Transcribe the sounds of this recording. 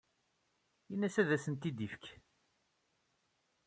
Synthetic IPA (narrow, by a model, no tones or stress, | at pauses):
jinːæsæðæsənt̪id̪ifk